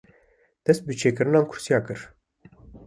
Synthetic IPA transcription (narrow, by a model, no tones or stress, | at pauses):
d̪̥ɛst̪̚bɨt͡ʃʰeːkɨɾɨnɑːnkʰʊ̥ɾ̥sijɑːkɨɾ